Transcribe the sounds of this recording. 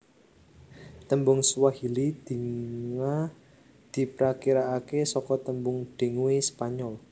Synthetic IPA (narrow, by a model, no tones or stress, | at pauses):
t̪əmbʊŋswahilid̪̥i̤ŋa | d̪̥i̤pɾakiɾaːkesɔkɔt̪əmbʊŋɖ̥e̤ŋwespaɲɔl